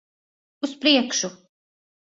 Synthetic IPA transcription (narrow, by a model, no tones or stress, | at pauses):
uspɾiɛkʃu